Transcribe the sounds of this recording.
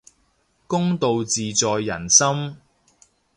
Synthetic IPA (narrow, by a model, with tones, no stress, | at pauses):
kʊ˥ŋt̪o˨wt͡siː˨t͡sɔː˨jːɐ˨˩nsɐ˥m